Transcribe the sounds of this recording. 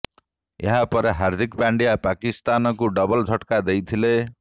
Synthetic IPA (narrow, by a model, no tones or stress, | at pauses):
jʌ̰ɦãpʌɾɦard̪ʱikpaɳɖijapakist̪anʌkoɖʌbʌld͡zʰʱʌʈkad̪ejt̪ʰile